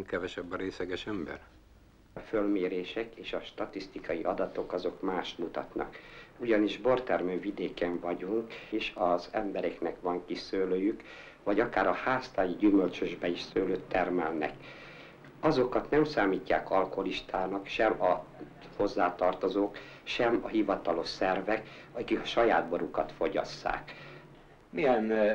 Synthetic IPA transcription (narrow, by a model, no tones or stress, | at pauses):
ŋkɛvɛʃɛbːɒɾeːsɛɡɛʃɛmbɛ̰r | følmeːɾeːʃɛkeːʃɒʃt̪ɒt̪ist̪ikɒjiʔɒd̪ɒt̪o̞kɒzo̞kmaːʃt̪mut̪ɒ̰t̪nɒ̰kuɟɒniʒbo̞rt̪ɛrmøːvid̪eːkɛɱvɒɟuŋkeːʃɒzɛ̰mbɛɾɛknɛkʋɒŋkisøːløːjyk | ʋɒɟɒkaːɾɒhaːst̪aːjiɟymølt͡ʃøʒbɛiʃsøːløːt̪ːɛrmɛlnɛ̰k | ɒzo̞kɒt̪nɛmsaːmiːcːa̰ːkɒlkooliʃt̪ʰaːnɒkʃɛmɒ | ho̞zːaːt̪ɒrt̪ozoːk | ʃɛmɒɦivɒt̪ɒlo̞ʃsɛrvɛk | ɒkikɒʃɒjaːd̪̚bo̞ɾukɒt̪fo̞ɟɒ̰sːa̰ːk | mijɛn